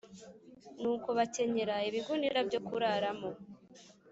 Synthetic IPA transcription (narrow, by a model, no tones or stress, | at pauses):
nuːkoβace̞ɲe̞ɾaiβiɡundiɾabɟokuɾaɾamo